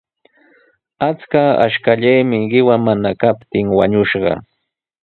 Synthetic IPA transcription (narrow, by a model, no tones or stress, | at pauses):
at͡skaa̰ʃkaʎajmɪɢɪwamanakapt̪ɪŋwaɲʊʃɢɑ̰